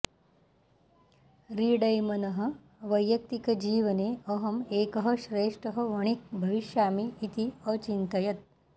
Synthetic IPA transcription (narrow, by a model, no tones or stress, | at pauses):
ɾiːɽɐjmɐnɐɦɐ̆ | ʋɐjːɐk̚t̪ikɐd͡ʒiːʋɐneːɐɦɐmeːkɐɦɐʃɾeːʂʈɐɦɐ̆ʋɐɳik̚bʱɐʋiʃjaːmiːt̪iət͡ʃint̪ɐjɐt̪̚